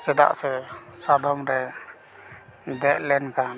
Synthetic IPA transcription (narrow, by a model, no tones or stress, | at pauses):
sɛd̪a̰ʔsɛsad̪ɔmɾɛ | d̪ɛʔ̚lɛnkʰan